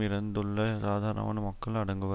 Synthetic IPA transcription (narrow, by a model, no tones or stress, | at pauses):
ɪɾɐnd̪ɯɭːɐsaːd̪ʱaːɾɐnɐ̰ʋɐ̰ːnɐmɐkːɐɭɐɽɐŋɡɯʋɐ